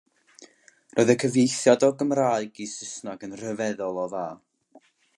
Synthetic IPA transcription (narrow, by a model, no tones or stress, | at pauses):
rʔoɨðəkʰəvjejθjadɔɡəmraːɨɡisɪsnaɡənr̥əvɛðɔlˠɔðaː